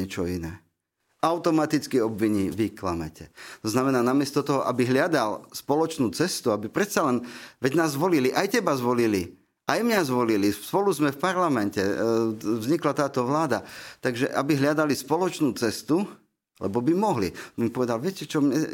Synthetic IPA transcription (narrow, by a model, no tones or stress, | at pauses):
ɛt͡ʃɔinɛː | aʊt̪ɔmat̪it͡skiɔbʋiɲiːʋikla̰mɛ̰cɛt̪ɔznamɛnaːnamɪɛst̪ɔt̪ɔɦɔʔabiɦʎɪad̪alspɔlɔt͡ʃnuːt͡sɛst̪uabipɾɛt̪t͡salɛnʋɛɟnaːzːʋɔliliʔajcɛbazʋɔlili | ʔajmɲazʋɔlilispɔluzmɛfpaɾlamɛncɛ | vzɲiklat̪aːt̪ɔʋlaːd̪at̪aɡʒɛ̰ʔabiɦlɪad̪alispɔlɔt͡ʃnuːt͡sɛst̪u | lɛ̰bɔbimɔɦlḭimpɔʋɛd̪alʋɪɛcɛt͡ʃɔmɲɛ